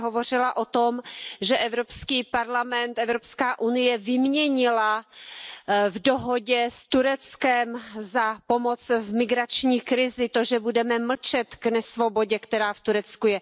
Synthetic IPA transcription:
ɦovo̞r̝ɪlaʔo̞t̪o̞mʒɛʔɛvɾopskiːpaɾlamɛnt̪ɛvɾopskaːʔunɪjɛvɪmɲɛɲɪla | vdoɦoɟɛst̪uɾɛt͡skɛmzapo̞mot͡svmɪɡɾat͡ʃɲiːkɾɪzɪt̪o̞ʒɛbudɛmɛml̩t͡ʃɛt̪ɡnɛsvo̞bo̞ɟɛkt̪ɛɾaːft̪uɾɛt͡skujɛ

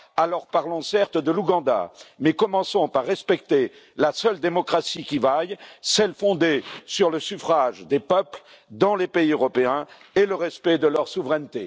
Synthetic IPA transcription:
alɔʁpaʁlɔ̃sɛʁt̪d̪əluɡɑ̃d̪a̰mɛkɔmɑ̃sɔ̃paʁːɛspɛkt̪e | lasœld̪emɔkχasikʲivajsɛlfɔ̃d̪esyʁləsyfχaʒd̪epœpl | d̪ɑ̃lepeiøʁɔpeɛ̃ | eləʁɛspɛd̪əlœʁsuvʁɛnt̪e

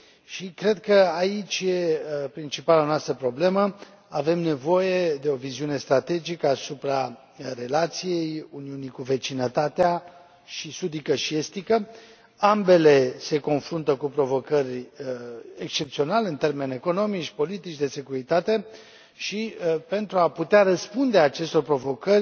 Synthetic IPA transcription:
ʃikɾe̞d̪̚kəait͡ʃʲje̞pɾint͡ʃipalanoast̪ɾəpɾo̞ble̞mə | ave̞mne̞vo̞je̞d̪e̞o̞viziune̞st̪ɾat̪e̞d͡ʒikəasupɾa | ɾe̞lat̪sije̞juniunikuve̞t͡ʃinət̪at̪ea | ʃisud̪ikəʃie̞st̪ikə | ambe̞le̞se̞ko̞nfɾunt̪əkupɾo̞vo̞kərʲ | ekst͡ʃe̞pt̪sio̞nalɨnt̪e̞rme̞ne̞ko̞no̞mit͡ʃʲpo̞lit̪it͡ʃd̪e̞se̞kuɾit̪at̪e̞ | ʃipe̞nt̪ɾuaput̪eaɾəspund̪e̞at͡ʃe̞st̪o̞rpɾo̞vo̞kərʲ

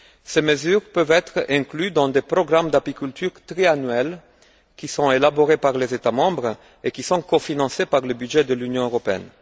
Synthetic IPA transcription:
seməzyːʁpøvɛt̪χɛ̃klyd̪ɑ̃d̪epʁɔɡʁamd̪apikʲylt̪yʁt̪ʁeanɥɛl | kʲisɔ̃elaboʁepaʁlezet̪amɑ̃bʁ | ekʲisɔ̃kofinɑ̃sepaʁləbyd̪ʒɛd̪əlynjɔ̃øʁɔpeɛ̰n

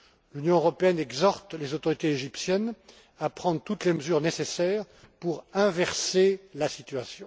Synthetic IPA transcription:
lynjɔ̃øʁɔpeɛnɛɡzɔʁt̪lezot̪ɔʁit̪eeʒipsjɛn | apχɑ̃d̪ʁt̪ut̪leməzyʁnesesɛːʁ | puʁɛ̃vɛʁselasit̪ɥasjɔ̃

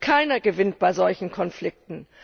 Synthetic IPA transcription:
kʰaɪnɐɡəvɪntb̥aɪzɔlçn̩kʰɔnflɪk̚tn̩

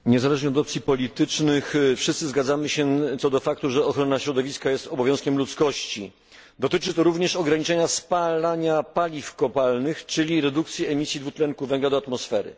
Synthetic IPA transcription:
ɲɛzalɛʐɲɛɔd̪ɔpt̪sʲjipɔlʲit̪ɘt͡ʂnɘxfʂɘst̪sɘzɡad̪zamɘɕɛt̪sɔd̪ɔfak̚t̪uʐɛɔxɾɔnaɕɾɔd̪ɔvʲiskajɛst̪ɔbɔvʲjɔ̃skʲɛmlut̪skɔɕt͡ɕḭ | d̪ɔt̪ɘt͡ʂɘt̪ɔɾuvɲɛʂɔɡɾaɲit͡ʂɛɲaspalaɲapalʲifkɔpalnɘxt͡ʂɘlʲiɾɛd̪ukt̪sʲjiɛmʲisʲjid̪vut̪lɛŋkuvɛŋɡlad̪ɔat̪mɔsfɛɾɘ̰

